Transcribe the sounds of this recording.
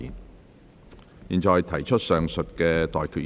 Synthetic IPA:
ḭː˨˩n | jiː˨˩nt͡sɔː˨jt̪ʰɐ˨˩jt͡ʃʰɵ˥t̚sœː˨ŋsɵ˨t̚kɛː˧t̪ɔː˨jkʰyː˧˩

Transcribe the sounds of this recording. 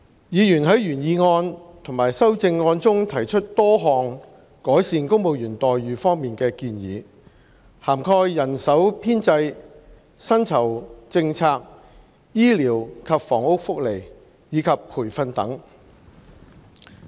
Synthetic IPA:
jiː˨˧jyː˨˩nɦɐ˨˥jɥyː˨˩njiː˨˧ŋɔː˧nt̪ʰʊ˨˩ŋmaː˨˩jsɐ˥wt͡sɪ˧ŋːɔː˧nt͡sʊ˥ŋt̪ʰɐ˨˩jt͡ʃʰɵ˥t̚t̪ɔː˥ɦɔː˧ŋ | kɔː˨˥jsiː˨˧nkʊ˥ŋmo˨˧wjyː˨˩nt̪ɔː˨jːyː˨fɔː˥ŋmiː˨nkɛː˧kiː˧njḭː˨˧ | haː˨˩mkʰɔː˧jːɐ˨˩nsɐ˨˥wpʰiː˥nt͡sɐ˧j | sɐ˥nt͡sʰɐ˨˩wt͡sɪ˧ŋt͡sʰaː˧k̚ | jiː˥liː˨˩wkʰɐ˨p̚fɔː˨˩ŋʊ˥k̚fʊ˥k̚le˨˩j | jiː˨˧kʰɐ˨pʰːuː˨˩jfɐ˧nt̪ɐ̰˨˥ŋ

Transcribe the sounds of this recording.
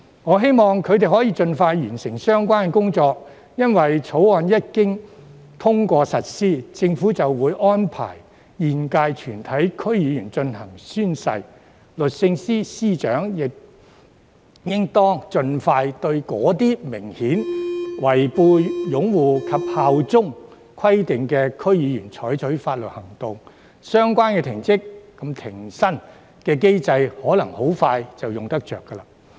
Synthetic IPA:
ŋɔː˨˧ɦe˥jmɔː˨ŋkʰɵ˨˧ɥt̪e˨jhɔː˨˥jiː˧t͡ʃɵ˧nfaː˧jːyː˨˩nsɪ˨˩ŋsœː˥ŋkwaː˥nkɛ˨kʊ˥ŋt͡sɔː˧k̚ | jɐ˥nwɐ˨jt͡sʰo˨˥waː˧njɐ˥t̚kɪ˥ŋ | t̪ʰʊ˥ŋkʷɔː˧sɐ˨t̚siː˥t͡sɪ˧ŋfu˨˥t͡sɐ˨wwuː˨˧˥jʔɔː˥npʰa̰ː˨˩j | jiː˨nkaː˧jt͡ʃʰyː˨˩nt̪ʰɐ˨˥jkʰɵ˥ɥjiː˨˧jyː˨˩nt͡ʃɵ˧nhɐ˨˩ŋsyː˥nsɐ̰˧j | lɵ˨t̚sɪ˧ŋsiː˥siː˥t͡ʃœː˨˥ŋjɪ˨k̚ | jɪ˥ŋt̪ɔː˥ŋt͡ʃɵ˧nfaː˧jt̪ɵ˧ɥkɔː˨˥t̪iː˥mɪ˨˩ŋhiː˨˥nwɐ˨˩jpuː˧jʊ˨˥ŋwuː˨˩kʰɐ˨p̚haː˨˧wt͡sʊ˥ŋ | kʰɐ˥jt̪ɪ˨ŋkɛː˧kʰɵ˥ɥjiː˨˧jyː˨˩nt͡sʰɔː˨˥jt͡ʃʰɵ˨˥ɥfaː˧t̚lɵ˨t̚hɐ˨˩ŋt̪ʊ˨ŋ | sœː˥ŋkʷwaː˥nkɛː˧t̪ʰɪ˨˩ŋt͡sɪ˥kː | ɐ˨˥mt̪ʰɪ˨˩ŋsɐ˥n | kɛː˧k̬e˥jt͡sɐ˧jhɔː˨˥lɐ˨˩ŋho˨˥wfaː˧jt͡sɐ˨wjʊ˨ŋt̪ɐ˥k̚t͡ʃœ̰ː˨˩kːɐ˧laː˧

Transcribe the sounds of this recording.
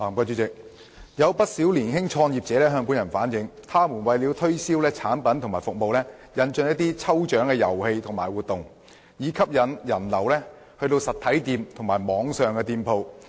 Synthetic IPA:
aː˨˩mkaː˧t͡ʃyː˨˧˥t͡sɪ˨k̚ | jɐ˨˧wpɐ˥t̚siː˨˥wliː˨˩nɦɪ˥ŋt͡ʃʰɔː˧ŋjiː˨p̚t͡sɛː˨˥lɛː˥ɦœː˧ŋpu˨˥njɐ˨˩nfaː˨˥njɪ˨˥ŋt̪ʰaː˥muː˨˩nwɐ˨jliː˨˧wt̪ʰɵ˥ɥsiː˥wlɛː˥t͡sʰaː˨˥npɐ˨˥nt̪ʰŋmaː˨˩jfʊ˨k̚mo˨wlɛ˥jɐ˨˧nt͡ʃɵ˧ŋjɐ˥t̚t̪iː˥t͡sʰɐ˥wt͡ʃœː˨˥ŋkɛː˧jɐ˨˩whe˧jt̪ʰʊ˨˩ŋmaː˨˩jwuː˨t̪̚ʊ˨ŋ | jiː˨˧kʰɐ˥p̚jɐ˨˩njɐ˨˩nlɐ˨˩wlɛː˥ | hɵ˧ɥt̪o˧wsɐ˨t̪ʰɐ˨˥jt̪iː˧mt̪ʰʊ˨˩ŋmaː˨˩jmɔː˨˧ŋsœː˨ŋkɛ˧t̪iː˧mpʰo˧w

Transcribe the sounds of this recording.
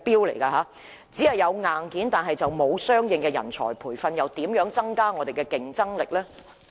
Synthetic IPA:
piː˥wlḛ˨˩jkaː˧ɦaː˨˥ | t͡siː˨˥hɐ˨jːɐ˨˧wŋaː˨nkiː˨˥nt̪aː˨nɦɐ˨jt͡sɐ˨wmo˨˧wsœː˥ŋjɪ˨˧ŋkɛː˧jɐ̰˨˩nt͡sʰɔ̰ː˨˩jpʰuː˨˩jfɐ˧njɐ˨˧wt̪iː˨˥mjœː˨˥ŋt͡sɐ˥ŋkaː˥ŋɔː˨˧d̪e˨jkɛ˧kɪ˨ŋt͡sɐ˥ŋlɪ˨k̚lɛː˥

